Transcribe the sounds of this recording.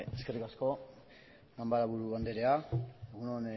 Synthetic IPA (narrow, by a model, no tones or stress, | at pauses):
eskerikasko̞ | ɡambaɾaβuɾuβand̪eɾeaeɣunon